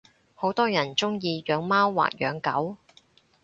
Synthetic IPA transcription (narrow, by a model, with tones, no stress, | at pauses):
ho˨˥wt̪ɔː˥jɐ˨˩nt͡sʊ˥ŋjiː˧jœː˨˧ŋmaː˥wːa̰ː˨k̚jœː˨˧ŋkɐ˨˥w